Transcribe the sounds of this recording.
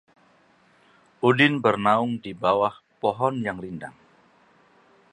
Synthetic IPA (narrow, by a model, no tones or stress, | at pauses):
ʔudɪnbərnaʊŋdibawah | pɔɦɔnjaŋlinda̰ŋ